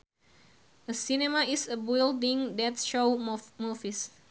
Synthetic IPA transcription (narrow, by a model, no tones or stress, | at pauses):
ʔəsinemaisəbildĩŋdɛt̪ʃomufis